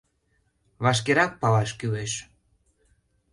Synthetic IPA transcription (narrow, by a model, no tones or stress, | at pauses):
βɑʃ̬keɾɑk̚pɑlɑʃkyleʃ